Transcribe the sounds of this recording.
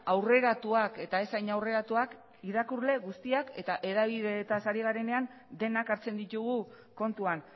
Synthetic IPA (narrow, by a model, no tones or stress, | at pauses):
awre̞ɾat̪uake̞t̪ae̞sajɲawre̞ɾat̪uak | iðakuɾle̞ɣust̪iake̞t̪aʔe̞ðaβ̞iðe̞t̪asaɾiɣ̞aɾe̞ne̞an | d̪e̞nakaɾt͡se̞nd̪it̪uɣu | ko̞nt̪uan